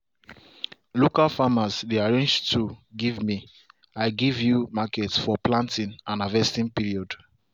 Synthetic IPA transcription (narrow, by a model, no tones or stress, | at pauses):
lokalfamasdeaɹẽnd͡ʒtʰuɡivmi | aɪɡivjumakɛtsfɔplãntĩnãnavɛstĩnpiɹiɔd̥